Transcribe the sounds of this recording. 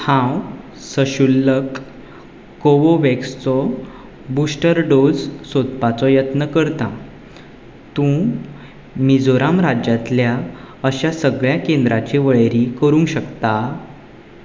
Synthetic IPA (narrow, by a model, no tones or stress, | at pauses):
hãw | səɕulːəkː | oʋoʋekst͡sɔ | busʈəɾɖod͡zsot̪pat͡sɔjət̪nəkəɾt̪a | t̪ũ | mid͡zoɾamɾad͡ʑjat̪lja | əɕasəɡɭjakend̪ɾat͡ɕiʋəɭɾikəɾũŋɡɕəkt̪a